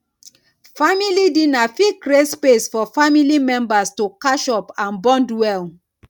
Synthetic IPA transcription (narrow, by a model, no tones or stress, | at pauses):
familidĩnafikɾespesfɔfamilimɛ̃mbastokaʃɔpãnbɔ̃ndwɛl